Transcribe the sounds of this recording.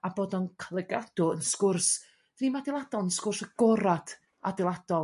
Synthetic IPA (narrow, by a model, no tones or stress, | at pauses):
aboːdɔnkʰlˠɛɡad̥ʊənskʊrs | imadɪlˠadɔlˠənskʊrsaɡ̥ɔɾad̥ | a̰dɪlˠad̥ɔlˠ